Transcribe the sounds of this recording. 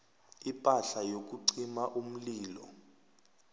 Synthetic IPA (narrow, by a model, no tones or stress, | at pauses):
ipʼaɬajok̬uǀimaʔum̩liːlɔ̰